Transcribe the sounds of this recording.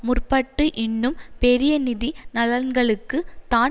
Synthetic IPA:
mʊrpɐʈːɯʔɪnːɯmpɛɾɪjɐnɪðinɐlɐɾnɡɐɭɯkːɯt̪aː

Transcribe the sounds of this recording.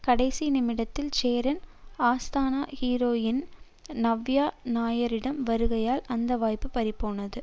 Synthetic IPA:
kɐɽɐɪsinɪmɪɽɐt̪ːɪlt͡ʃeːɾɐnaːst̪aːnaːhiːɾoːjɪn | nɐʋjaːnaːjɐɾɪɽɐmʋɐɾɯɣɐjaːlɐnd̪ɐʋaːjpːɯpɐɾɪpːoːnɐðɯ

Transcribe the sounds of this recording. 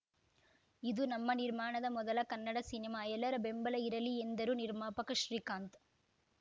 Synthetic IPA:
ɪðɯnɐmːɐnɪɾmaːɳɐðɐmɔðɐlɐkɐnːɐɽɐsɪnɪmaːɛlːɐɾɐbɛmbɐlɐɪɾɐliɛnd̪ɐɾɯnɪɾmaːpɐkːɐʃɾiːkaːnt̪

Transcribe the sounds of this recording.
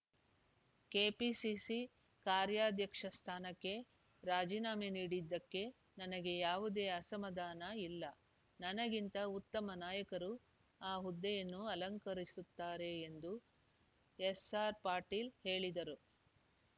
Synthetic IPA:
keːpisisi | kaːɾjaːd̪jɐkʂɐst̪ʰaːnɐkːe̞ | ɾaːd͡ʒiːnaːmeniːɽid̪ːɐkːe̞ | nɐnɐɡe̞jaːʋud̪e̞ːɐsɐmɐd̪aːnɐilːɐ | nɐnɐɡint̪ɐut̪ːɐmɐnaːjɐkɐɾu | aːɦud̪ːɛjɐnːuɐlɐŋkɐɾisut̪ːaːɾe̞ːnd̪u | esaːɾpaːɾʈiːlhe̞ːɭid̪ɐɾu

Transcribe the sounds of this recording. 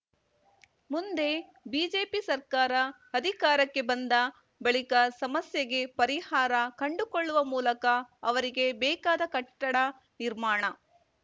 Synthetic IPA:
mund̪e̞ | biːd͡ʒe̞ːpisɐɾkaːɾɐː | d̪ʱikaːɾɐkːe̞bɐnd̪ɐ | bɐɭikɐsɐmɐsjɐɡe̞pɐɾihaːɾɐkɐɳɖukoɭːuʋɐmuːlɐkɐːʋɐɾiɡe̞bɛːkaːd̪ɐkɐʈːɐɽɐ | niɾmaːɳɐ

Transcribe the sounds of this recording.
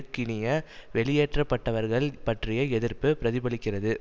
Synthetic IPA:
kːɪnɪjɐʋɛɭɪjeːʈrɐpːɐʈːɐʋɐɾɣɐɭpɐʈrɪjɐɛðɪɾpɯpɪɾɐðɪbɐlɪkːɪrɐðɯ

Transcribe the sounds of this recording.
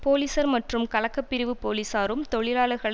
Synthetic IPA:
poːliːsɐɾmɐʈrɯmkɐɭɐkːɐpːɪɾɪʋɯpoːliːsaːɾɯmt̪ɔɻɪlaːɭɐɾɣɐɭ

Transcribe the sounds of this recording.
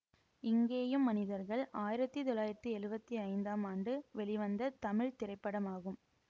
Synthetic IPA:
ɪŋɡeːjɯmːɐnɪðɐɾɣɐɭaːjɪɾɐt̪ːɯt̪ɔlaːjɪɾɐt̪ːɯɛɻɯbɐt̪ːiɐɪnd̪aːmaːnɖɯʋɛɭɪʋɐnd̪ɐt̪ɐmɪɭt̪ɪɾɐɪpːɐɽɐmaːɣɯm

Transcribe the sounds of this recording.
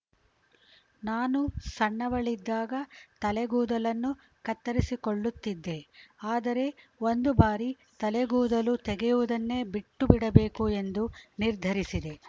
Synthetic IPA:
naːnusɐɳːɐʋɐɭid̪ːaːɡɐt̪ɐlɛɡuːd̪ɐlɐnːu | kɐt̪ːɐɾisikoɭːut̪ːid̪ːe̞aːd̪ɐɾe̞ | o̞nd̪ubaːɾi | t̪ɐlɛɡuːd̪ɐlut̪ɛɡɛjuʋud̪ɐnːe̞ːbiʈːubiɽɐbe̞ːkue̞nd̪uniɾd̪ʱɐɾisid̪e̞

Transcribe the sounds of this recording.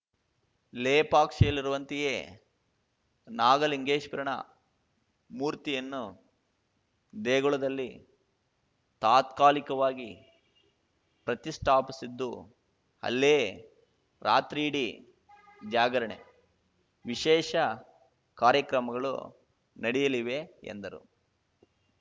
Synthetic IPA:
leːpaːkʂɐjɐlːiɾuʋɐnt̪ijeː | naːɡɐliŋɡeːʃpɐɾɐɳɐ̰ | muːɾt̪ijɐnːu | d̪eːɡɔɭɐd̪ɐlːi | t̪aːt̪kaːlikɐʋaːɡi | pɾɐt̪isʈʰaːpisid̪ːu | hɐ̰lːeː | ɾaːt̪ɾiːɽi | d͡ʒaːɡɐɾɐɳḛ | ʋiʃɛːʃɐ | kaːɾjɐkɾɐmɐɡɐɭṵ | nɐɽijɐliʋeḛnd̪ɐɾṵ

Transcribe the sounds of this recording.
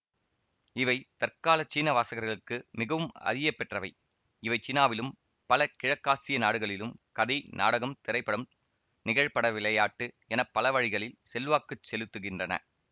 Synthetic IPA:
ɪʋɐɪt̪ɐrkaːlɐt͡ʃːiːnɐʋaːsɐɣɐɾɣɐɭɯkːɯmɪɣɐʋɯmɐ̰ðɪjɐpːɛʈrɐʋɐɪ | ɪʋɐɪt͡ʃɪnaːʋɪlɯm | pɐlɐkɪɻɐkːaːsɪjɐnaːɽɯɣɐɭɪlɯmkɐðɐɪnʔa̰ːɽɐɣɐmt̪ɪɾɐɪpːɐɽɯm | nɪɣɐɻpɐɽɐʋɪɭɐjaːʈːɯ | ɛnɐpːɐlɐʋɐɻɪɣɐɭɪlsɛlʋaːkːɯt͡ʃːɛlɯt̪ːɯɣɪndrɐnɐ̰

